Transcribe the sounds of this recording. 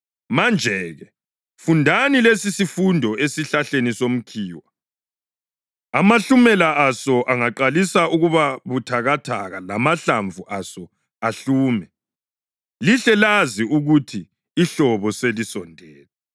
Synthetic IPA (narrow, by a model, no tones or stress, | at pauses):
mand͡ʒʱɛɣɛ | fundʱanilesisifundʱɔesiɬaɬenisom̩kʰiːwa | amaɬumɛlaʔasɔʔaŋaǃalisauɣuβaβutʰaɣatʰa̰ɣalamaɬaɱvʱuʔasɔ | aɬuːmɛ | liɬɛlaziuɣutʰiː | ɬɔβɔselisɔndʱɛːlɛ